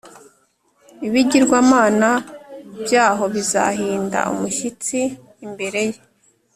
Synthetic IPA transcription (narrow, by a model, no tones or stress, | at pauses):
iβiɟiɾɡwamaːnabjaːɦo̞βiza̰ɦiːnda̰ʔṵmuʃit͡siː | mbe̞ɾe̞je